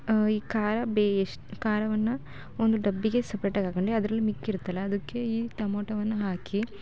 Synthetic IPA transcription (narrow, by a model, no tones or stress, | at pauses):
iːkaːɾɐbeːeʂʈkaːɾɐʋɐnːɐ | ond̪uɖɐbːiɡe̞sɐpɾeʈɐɡaːɡɐɳɖeɐd̪ɐɾɐlːimikːiɾut̪ːɐlːɐːd̪ɐkːe̞iːt̪ɐmoːʈɐʋɐnːɐɦaːki